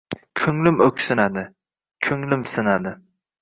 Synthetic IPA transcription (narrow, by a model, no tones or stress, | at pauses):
kʲʰɵŋlɪmɵkʲsɪnad̪ɪ | kʲʰɵŋlɪmsɪnad̪ɪ